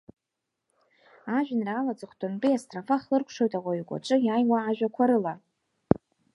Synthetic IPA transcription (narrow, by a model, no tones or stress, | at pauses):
aʒᶣɪnraːlad͡zɨχʷʰtʰʼʊntʼiastʼrafaχlɨrkʷʰʂo̞jtʼaʁʷaikʷʼa̰ʈ͡ʂʼɨjaːjwaːʒᶣakʷʰaɾɨla